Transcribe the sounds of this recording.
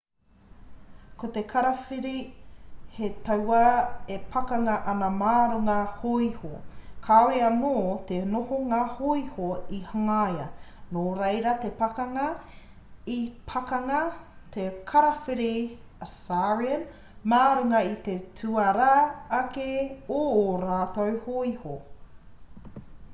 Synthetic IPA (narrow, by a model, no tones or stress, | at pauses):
kot̪ekʰɐɾɐfiɾi | het̪ɐwaepʰɐkɐŋɐʔɐnɐmaːɾuŋɐhoihokʰaoɾeɐnoːt̪enohoŋaːhoihoihɐŋajɐ̰noːɾejɾɐt̪epɐkɐŋɐ | ipʰɐkɐŋɐt̪ʰekʰɐɾɐfeɾe | ɐsaɹiən | maːɾuŋɐit̪etʰuɐɾaːkeoɾaːt̪owhoiho